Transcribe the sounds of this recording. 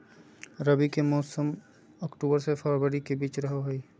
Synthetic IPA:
ɾɐbikemɔːsəm | ɔːkʈuːbəɾsefʰɔːɾbəɾikebiːt͡ʃɾɐɦoɦoiː

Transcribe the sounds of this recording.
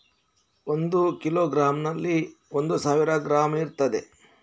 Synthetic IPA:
ond̪ukiloːɡɾaːmnɐlːiond̪usaːʋiɾɐɡɾaːmiɾt̪ɐd̪e

